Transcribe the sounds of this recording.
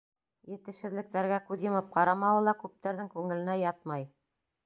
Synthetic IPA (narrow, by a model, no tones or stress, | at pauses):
jɘ̆t̪ɘ̆ʃhɘ̆ðlɘ̆k̚t̪æɾɡækʉðjɤ̆mɤp̚qɑɾɑmɑwɤlˠɑkʉp̚t̪æɾðɘŋkʉŋɘ̆lɘ̆næjɑt̪̚mɑj